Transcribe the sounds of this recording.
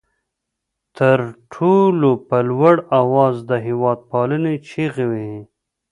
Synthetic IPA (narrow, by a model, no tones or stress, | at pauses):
t̪əɾʈʰolopəlwaɽawɑːzd̪əɦɪwɑːd̪̚pɑlənet͡ʃeɣewe